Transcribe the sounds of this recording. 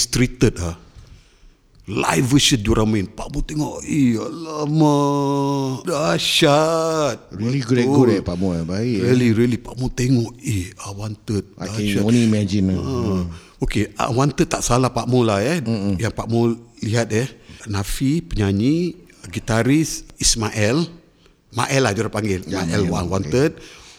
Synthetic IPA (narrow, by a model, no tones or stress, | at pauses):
st̪ɾit̪ət̪̚a | la̰jvəʃəduɾʔaminpaʔmot̪eŋɔʔialamə | daʃat̪̚ɾiliɡuɾɛɡuɾepaʔmobaiɾiliɾilipaʔmot̪eŋɔʔihawant̪ət̪̚aʃaonimad͡ʒina | okea̰want̪ət̪t̪ːaʔsalahpaʔmolaəhjaŋpaʔmoliɦat̪̚əhnafipəɲaɲi | ɡit̪aɾisismaʔɛl | ma̰ʔɛlahd͡ʒuɾapaŋɡɪlmaʔɛlwanwant̪ət̪̚